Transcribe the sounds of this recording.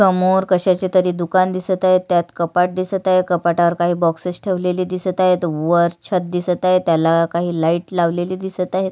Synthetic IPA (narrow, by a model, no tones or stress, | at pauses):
səmoɾkəɕat͡ɕet̪əɾiːd̪ukand̪isət̪aɦet̪ːjat̪kəpaʈ̚d̪isət̪aɦekəpaʈaʋəɾkaɦiːbɔksəsʈʰeʋleliːd̪isət̪aɦet̪ʋəɾt͡ɕʰət̪̚d̪isət̪aɦet̪jalakaɦiːlaiːʈlaʋleliːd̪isət̪aɦet̪